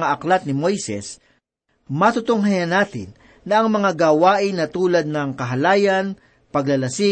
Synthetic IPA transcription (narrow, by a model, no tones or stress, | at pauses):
aʔɐklat̪̚nɪmojsɛ̰s | mɐt̪ʊt̪oŋɦɐjɐnaːt̪ɪ̰nː | ɐʔɐŋmɐŋaɡawaːʔɪnːɐt̪uːlɐd̪̚nɐŋkɐɦɐlaːjɐn | pɐɡlɐlɐsɪ